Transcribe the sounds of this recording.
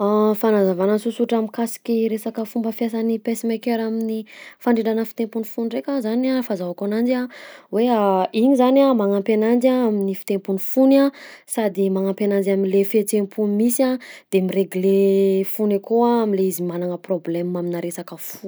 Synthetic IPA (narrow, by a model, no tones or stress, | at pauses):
afanazavanənsusuʈ͡ʂamikasi̥kiɾesakəfumbəfjas̬anipesimekeɾaminifaɳɖ͡ʐeɳɖ͡ʐanəfi̥t̪empunifunrekʲazanafazavakanand͡ʒaweaiɲizanamaŋampenand͡ʒaaminifi̥t̪empunifunasad̪imaŋampenand͡ʒaminlefet͡sempunimisiad̪̥emireɡlefunekoaːminleizimananəproblɛmaminaɾesakəfu̥